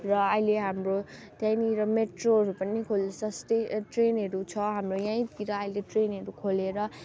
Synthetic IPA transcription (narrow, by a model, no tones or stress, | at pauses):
rʌʌjleɦamrot̪jãjniɾʌmeʈroɦʌɾupʌnikʰolsʌst̪ejʈrenɦʌɾut͡sʰʌɦamrojãj̃t̪iɾʌːjleʈrenɦʌɾukʰoleɾʌ